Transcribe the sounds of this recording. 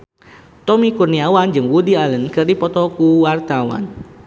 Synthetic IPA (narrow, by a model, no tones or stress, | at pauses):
t̪ɔmikurniawand͡ʒɨŋwudialənkɨrdipɔt̪ɔkuwart̪awa̰n